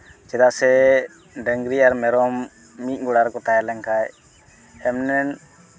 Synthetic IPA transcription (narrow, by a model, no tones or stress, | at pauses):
d͡ʒɛd̪aʔsɛ | ɖəŋɡɾiaɾmɛɾɔmː | it̪̚ˀɡɔɽaɾkɔt̪ajalɛŋkʰaj | ɛmnɛn